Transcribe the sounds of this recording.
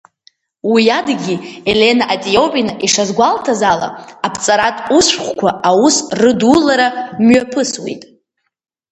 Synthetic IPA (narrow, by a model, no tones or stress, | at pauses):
wijadɡʲiele̞naʔatʼijo̞wpʼinaʔiʂazɡʷaltʰazala̰apʰt͡sʼaɾatʼusʷχʷkʷaʔawusrɨdulaɾamɥapʰɨswḛjtʼ